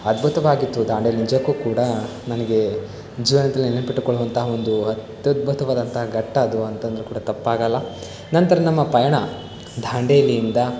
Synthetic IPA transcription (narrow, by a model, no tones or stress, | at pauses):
ɐd̪̚bʱut̪ɐʋaːɡit̪ːud̪ʱaːɳɖelinid͡ʒɐkːuːkuːɽɐ | nɐnɐɡe̞ | d͡ʒiːʋɐnɐd̪ɐlːinelɐnpiʈːukɔɭːuʋɐnt̪ɐɦɐo̞nd̪uɦɐt̪jɐd̪̚bʱut̪ɐʋaːd̪ɐnt̪ɐɦɐɡɐʈːɐːd̪uɐnt̪ɐnd̪ɐɾukuːɽɐt̪ɐpːaːɡɐlːɐ | nɐnt̪ɐɾɐnɐmːɐpɐjɐɳɐ | d̪ʱaːɳɖeːlijind̪ɐ